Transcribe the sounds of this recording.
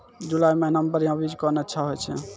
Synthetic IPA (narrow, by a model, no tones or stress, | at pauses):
d͡ʒulajmenəmbəɾjãbid͡ʒkɔneətːʃʰaɦojt͡ʃʰɛ̰